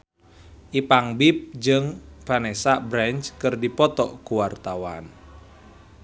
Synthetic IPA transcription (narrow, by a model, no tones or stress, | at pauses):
ʔipaŋbip̚d͡ʒɨŋpanɛsabɾɛnt͡ʃkɨrdipɔt̪ɔkuwart̪awan